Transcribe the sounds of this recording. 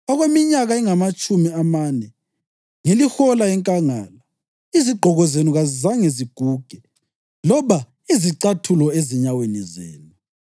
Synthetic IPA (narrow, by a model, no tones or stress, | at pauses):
ɔɣwemiɲaɣaiŋamat͡ʃʼumiamanɛ | ŋelixɔlaɛŋkʼaŋaːla | iziɡ͡ǃʱɔɣɔzenuɣaizaŋeziɡ̥ʱuɡ̥ʱɛ | lɔβa | iziǀatʰulɔeziɲawenizḛːnu